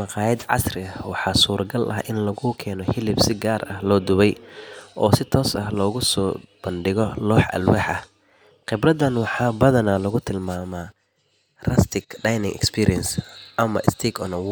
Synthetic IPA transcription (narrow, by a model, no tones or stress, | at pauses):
mɑqɑːjɐd̪ʕɑ̰srɪɐhwɑħɑːsuːrɡɐlʔɐ̰hʔɪnlɐɣʊkʰɛːnɔhɪlɪbsɪɡaːrɐhlɔːd̪ʊβɛjʔɔːsɪt̪ʰɔːsɐhlɔːɣʊsɔːb̥ɐnɖɪɣɔlɔːħʔɐ̰lwaːħɐh | qɪbrɐd̪ɐnwɑħɑːbɐðɐnɐlɐɣʊt̪ʰɪlmaːmɐ | rɐst̪ʰɪkɖɑjnɪŋʔɛ̰kspʰiːɾiɛnsʔɐmɐ̰ʔɪst̪ʰiːkʰɔ̰nɐ